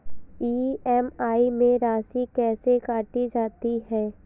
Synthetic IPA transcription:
iːɛmaːimẽɾaːsikɛːsekaːʈid͡ʒaːt̪iɦɛː

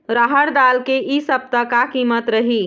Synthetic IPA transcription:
ɾaɦəɾd̪aːlkeʔisəb̚t̪əkakimət̪ɾəɦi

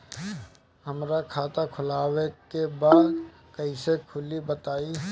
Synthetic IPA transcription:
ɦɐmɾakʰaːt̪akʰʊlaːwekebaːd̪ | kɐĩsekʰʊlibət̪aːi

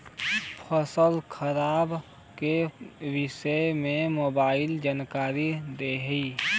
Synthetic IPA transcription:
pʰəsəlkʰəɾaːb | keʋɪsəmẽmoːbaːɪld͡ʒaːnkaːɾid̪eɦiː

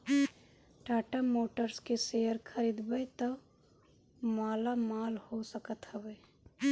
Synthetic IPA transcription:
ʈaːʈamoːʈəɾskesejəɾkʰəɾiːd̪bəjt̪ə | maːlamaːlhosəkət̪ɦəbeː

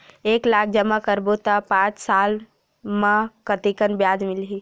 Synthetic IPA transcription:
eːklaːk̚ʰd͡ʒəmakəɾbot̪apãːt͡ʃsaːl | mãkət̪ikənbjaːd͡ʒmɪlɦiː

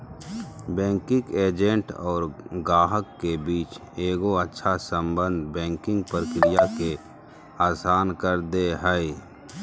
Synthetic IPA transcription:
bɛ̃ːŋkɪkeːd͡ʒẽɳʈɔːɾɡaːɦəkːebiːt͡ʃeːɡoətːʃʰasə̃mbə̃nd̪bɛ̃ːŋkɪ̃ŋɡ̚pəɾkɾɪjake | aːsaːnkəɾd̪eɦəe

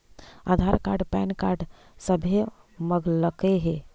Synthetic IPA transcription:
a̰d̪ʱaɾka̰ɾɖpɛnkaɾɖ | səbʱe | məɡləkeɦe

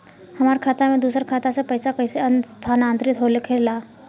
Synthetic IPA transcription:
həmaɾkʰat̪amed̪uːsəɾkʰat̪asepəjsakəjseənt̪ʰanant̪ɾit̪ɦolekʰeɽla

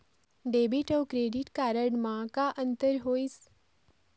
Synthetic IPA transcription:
ɖeːbiʈɔːkɾeːɖiʈkaːɾəɽmãkaʔə̃nt̪əɾɦoːis

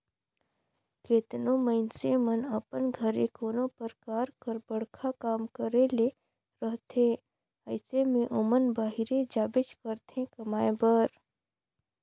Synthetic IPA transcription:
keːt̪nõməɪnsemənəpənɡʱəɾekoːnõpəɾkaːɾkəɾbəɽkʰakaːmkəɾele | ɾəɦt̪ʰeː | əɪsemẽʔʊmənbaːɦiɾed͡ʒaːbɪd͡ʒkəɾt̪ẽkɐmaːebəɾ

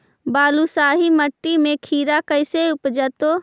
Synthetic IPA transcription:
baːlusaːɦiməʈːimẽkʰiːɾakəɪseʊpd͡ʒət̪o

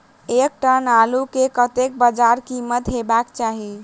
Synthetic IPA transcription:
ek̚ʈənalukekət̪ek̚bəd͡ʒaɾkimət̪ɦebakt͡ʃaɦi

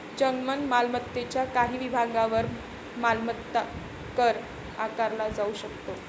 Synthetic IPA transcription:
d͡ʑəŋɡmənmalmət̪ːet͡ɕjakaɦiːʋibʱaɡaʋəɾ | malmət̪ːa | kəɾ | akaɾlad͡zauɕəkt̪o

